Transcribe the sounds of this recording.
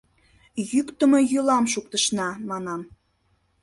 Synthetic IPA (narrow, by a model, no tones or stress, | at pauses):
jykt̪əmojølɑmʃ̬uk̚t̪əʃnɑmɑnɑm